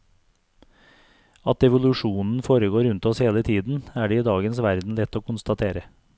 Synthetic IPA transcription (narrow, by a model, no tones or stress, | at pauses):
ɑt̪ɛʋʊlʉʃuːnn̩foːɾəɡoːɾʉnt̪ɔsheːlət̪ʰiːd̪n̩æːɖeːiːd̪ɑːɡənsʋæɾd̪n̩lɛt̪oːkʊnst̪ɑt̪ʰeːɾə